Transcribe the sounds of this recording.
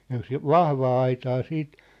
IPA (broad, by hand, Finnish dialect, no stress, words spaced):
jɑ̆ jos ʋɑhʋɑː ɑitɑː siːt